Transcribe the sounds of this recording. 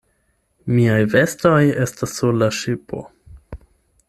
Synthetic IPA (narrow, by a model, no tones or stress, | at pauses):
miajve̞sto̞je̞stasːulaʃipo̞̰